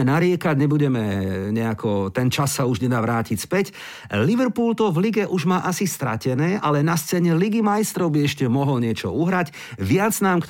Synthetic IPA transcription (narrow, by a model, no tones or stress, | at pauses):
ɛnaɾɪɛkaɟɲɛbuɟɛmɛɲɛakʰɔt̪ɛnt͡ʃasːauʒɲɛd̪aʋɾaːcicspɛc | liʋɛɾpuːlt̪ɔvliɡɛʔuʒmaːʔasist̪ɾa̰cɛnɛːʔalɛnast͡sɛːɲɛliɡimajst̪ɾɔʊbiɛʃcɛmɔɦɔlɲɪɛt͡ʃɔ̰uɦɾaɟ | ʋɪad͡znaːmkt̪